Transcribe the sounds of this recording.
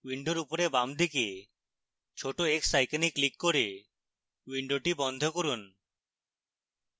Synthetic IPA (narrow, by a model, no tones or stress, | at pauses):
wiɳɖoɾupoɾebamd̪ʱike | t͡ʃʰoʈoeksajkaniklikːoɾe | wiɳɖoʈibɔnd̪ʱokoɾun